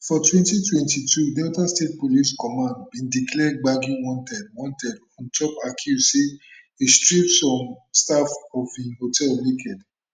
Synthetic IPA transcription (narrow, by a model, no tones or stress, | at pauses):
fɔtwɛ̃ntitwɛ̃ntitʰudɛtastet̚poliskɔmãndbĩndiklɛɡ͡baɡĩwɔ̃ntɛdwɔ̃ntɛd | ɔ̃nt͡ʃɔpakʰjuzse | istɹipsɔ̃mstafɔfĩnhotʰɛllekʰɛd